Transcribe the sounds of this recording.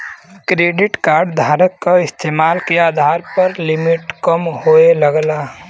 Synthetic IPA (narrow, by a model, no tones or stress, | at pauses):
kɾeːɖɪʈkaːɾɖd̪ʱaːɾəkːaɪst̪emaːlkeaːd̪ʱaːɾpəɾlɪmɪʈkəmɦoeləɡla